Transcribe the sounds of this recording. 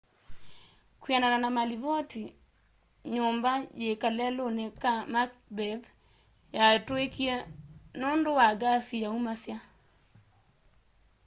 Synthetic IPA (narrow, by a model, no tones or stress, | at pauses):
kwianananamaliβɔti | ɲombajekalɛlonɛkamak̚bɛð | jatoekiɛnondowaɡasijaumasja